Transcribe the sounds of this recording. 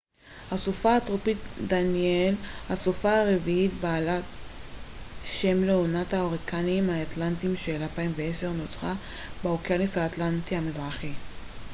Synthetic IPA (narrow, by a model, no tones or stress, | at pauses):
hasofaːtʁopitdanielhasofaaʁeviitbaːla | ʃemleonathaoʁikaniːmhaːt̪lantimʃelalpaimveese̞ʁnot͡sχa | beokjanishaːt̪lant̪ihamizʁaχi